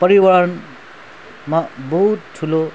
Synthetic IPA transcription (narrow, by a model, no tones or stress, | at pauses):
pʌɾiwʌɾʌn | mabʌɦut̪̚ʈʰːulo